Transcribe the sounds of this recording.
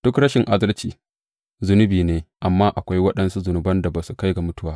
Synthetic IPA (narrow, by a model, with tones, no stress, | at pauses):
d̥ʊ˦kɽɐ˦ʃɪ˨ŋʔa˦dɐ˦lt͡ʃiː˨ | zʊ˦nʊ˦biː˨neː˦ʔa˨mːaː˦ʔa˨kʷa˦jwɐ˦ɗɐ˦nsu˦zʊ˨nʊ˨bɐ˦nda˨baː˨su˦ka˦jɡa˨mʊ˦tʊ˦waː˦